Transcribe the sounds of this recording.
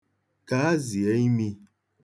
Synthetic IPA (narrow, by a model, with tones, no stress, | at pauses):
ka˨˦zi˨ɛ˨˦ɲi˦mĩ˧